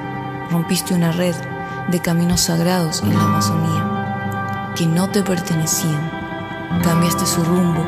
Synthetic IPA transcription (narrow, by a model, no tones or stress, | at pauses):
ro̞mpist̪eunare̞ð | d̪e̞kamĩno̞saɣɾað̞o̞sḛnlaːmaso̞nia | ke̞no̞t̪e̞pe̞ɾt̪e̞ne̞siaŋ | kambjast̪e̞surumbo